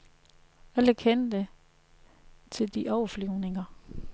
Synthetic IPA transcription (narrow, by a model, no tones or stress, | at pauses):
æləkʰend̥ə | t͡sʰe̝ld̥iʔɒʊɐflyʊne̝ŋɐ